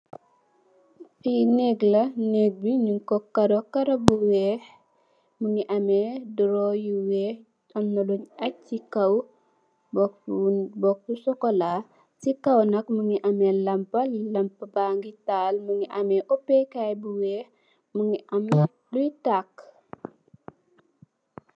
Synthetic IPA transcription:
finɛɡlɐneɡ̚biɲuŋkɔkɐɾokɐɾɐbuwɛːh | muŋiʔɐmɛduɾɔjiwɛː | ɐmnɐluɲɐikɐw | b | bɔk̚usɔkɔla | sikɐwnɐkmuŋiʔɐmɛlɐmpɐlɐmpɐbaŋɡitaːlmuŋiʔɐmɛʔɔpːɛkajbuwɛːh | muŋɡiʔɐm | dujtakː

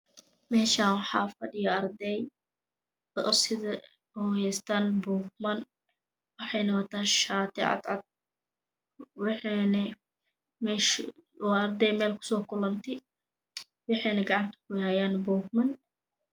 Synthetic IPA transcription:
mɛːʃaːnwɑħɑːfɐdɪjɔɐɾd̪ɛj | dɔʔsɪðɐ | hɔjɛːst̪ʰaːnbuːk̚mɐn | wɑħɑjnɐwɐt̪ʰaːʃaːt̪ʰɪ̰ʕɑ̰d̪ʕɑ̰d̪̚ | wħnɐ | mɛʃɔɐɾd̪ɛjmɛːlkʰʊ̥sɔːkʰʊlɐnt̪ʰɪ | wɑħɛjnɐɡɑʕɑnt̪ʰɐ̥kʰʊhɛjaːnbuːkmɐn

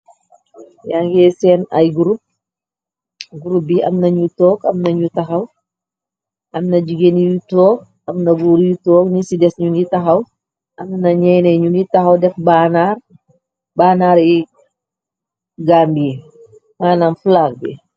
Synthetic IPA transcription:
jaŋɡɛsɛːnɐ̰jɡuɾup̚ | ɡuɾup̚biɐ̰mnɐɲutɔːkɐmnɐɲutɐxɐw | ʔɐmnɐd͡ʒiɡenijutɔːk̚ | ɐmnɐɡuːɾjutɔːkɲisidɛsɲunitɐxɐw | ʔɐmnɐɲɛjnɛɲunitɐxɐwdɛfbanaːr | baːnaːɾi | ɡaːmbie | ŋaːnamflak̚bḭ

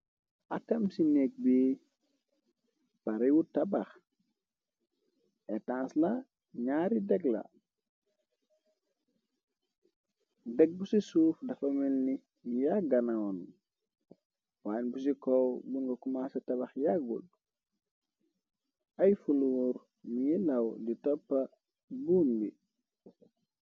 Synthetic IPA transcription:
akɐmsinek̚biː | paɾiwutabax | etãːsla | ɲaːɾidɛɡla̰ | dɛɡ̚busisuːfdɐfɐmilni | jaɡɐnaɔn | waːnbus̬ikɔwbuŋɡokumasɐtɐbɐxjaɡṵl | ɐjfuluuɾ | mijilɐwlitɔpːɐ | buːmbi

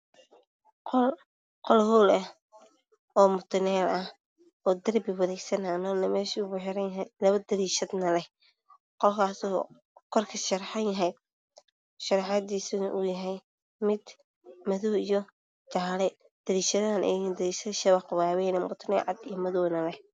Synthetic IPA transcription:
qɔl | qɔlhuːlɐ | ɔːmʊt̪ʰnɛːlɐh | ɔːd̪ɐrbɪwɐðɛjsɐnanɔnɐmɛːʃiʊbʊħɪɾɐjɦjlɐβɐd̪ɐɾiːʃɐd̪nɐlɛh | qɔlkʰaːsɔː | kʰɔrkʰɐʃɐɾħɑnjɐɦɛj | ʃɐɾħɑd̪iːsʊʔʊjɐɦɛj | mɪd̪ | mɐðɔwijɔ | t͡ʃaːlɛ | d̪̥ɐɾiːʃɐðɐnʔɛ̰nd̪ɐɾiːʃɐðʃɐβɐqʊwaːwɛjnɐmʊt̪ʰnɛːlʕɑ̰d̪ijɔmɐðɔwnɐlɛh

